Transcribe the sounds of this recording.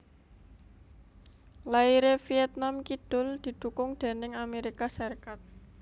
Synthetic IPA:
laiɾefijɛt̪̚namkid̪̥ʊ̤ld̪̥i̤d̪̥ṳkʊŋd̪̥e̤nɪŋameɾikasirkat̪̚

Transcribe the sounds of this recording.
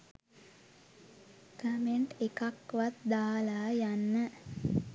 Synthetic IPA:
kəmeɳʈekakʋat̪d̪aːlaːjanːə

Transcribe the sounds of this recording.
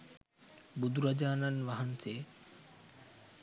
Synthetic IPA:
bud̪uɾɐd͡ʑaːnənʋɐɦənseː

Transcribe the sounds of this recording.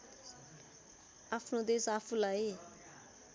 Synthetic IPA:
apʰnod̪esapʰulae

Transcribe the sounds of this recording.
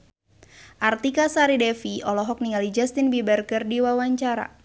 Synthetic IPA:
ʔart̪ikasaɾidɛfiɔlɔɦɔk̚niŋalid͡ʒast̪inbibərkərdiwawaɲt͡ʃaɾa̰

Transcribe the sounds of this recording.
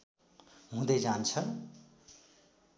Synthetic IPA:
ɦũd̪ʌjd͡zant͡sʰʌ

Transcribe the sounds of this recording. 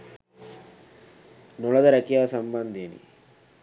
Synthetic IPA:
nulɐd̪ɐɾɐkijaːsɐmbɐnd̪ʱeːnḭ

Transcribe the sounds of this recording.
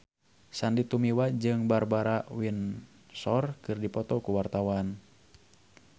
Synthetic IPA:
sandit̪umiwad͡ʒɨŋbarbaɾawin | sɔrkɨrdipɔt̪ɔkuwart̪awan

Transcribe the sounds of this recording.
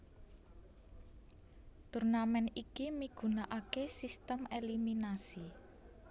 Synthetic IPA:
t̪urnamɛnikimiɡ̥ṳnaʔakesist̪əmeliminasi

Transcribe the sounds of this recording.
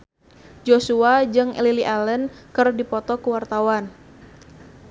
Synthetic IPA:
d͡ʒosuad͡ʒɨŋɛ̰liliʔalənkɨrdipɔt̪ɔkuwart̪awan

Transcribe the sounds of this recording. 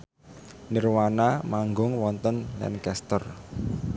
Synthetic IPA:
nirwanamaŋɡʊŋwɔnt̪ənlɛ̰nkɛst̪ər

